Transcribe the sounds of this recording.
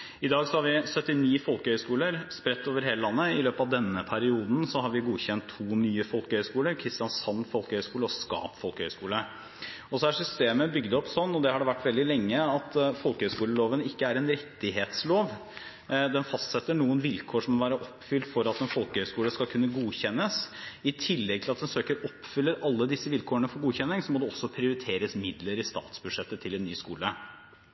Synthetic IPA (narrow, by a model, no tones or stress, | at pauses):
ɪd̪ɑːɡsɔhɑɾʋɪsœt̪ːɪniːfɔlkəhœʏskuːləɾspɾɛt̪ːoːʋəɾheːləlɑnːəɪløːpɑʋd̪ɛnːəpʰæɾɪuːd̪nsɔɦɑɾʋɪɡuːçɛnt̪ʰːuːnyːəfɔlkəhœʏskuːləɾkʰɾɪst̪ɪjɑnsɑnːfɔlkəhœʏskuːləɔskɑ̰ːpfɔlkəhœʏskuːlə | ɔsɔæʂʏst̪eːməbʏɡd̪ɔpsɔnːɔd̪ɛhɑɖɛʋæʈːʋɛld̪ɪlɛŋːəɑt̪fɔlkəhœʏskuːləloːʋənɪkːəæɾɛnɾɛt̪ːɪɦeːt̪sloːʋ | d̪ɛnfɑst̪sɛt̪ːəɳuːənʋɪlkʰoːʂɔmɔʋæːɾəʔɔpːfʏlt̪fɔɾɑt̪ɛnfɔlkəhœʏskuːləskɑlkʰʉnːəɡuːçɛnːəsɪt̪ʰɪlːɛɡt̪ʰɪlɑt̪d̪ɛnsøːkəɾɔpːfʏlːəɾʔɑlːəd̪ɪsːəʋɪlkʰoːəɳəfɔɾɡuːçɛnːɪŋsɔmɔd̪ɛɔsːɔpʰɾɪʊɾɪt̪ʰeːɾəsmɪd̪ləɾɪst̪ɑ̰ːt̪sbʉd̪ʂɛt̪ːət̪ʰɪlɛnːyːskuːlə